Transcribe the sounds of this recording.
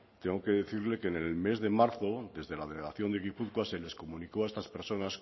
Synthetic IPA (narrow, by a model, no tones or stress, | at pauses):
t̪eŋɡo̞ke̞ðe̞θiɾle̞ke̞nelme̞zðe̞maɾθo̞ðe̞zðe̞lað̞e̞leɣaθjo̞nd̪eɣipuθkwase̞le̞sko̞mũnikoaest̪aspe̞ɾso̞nas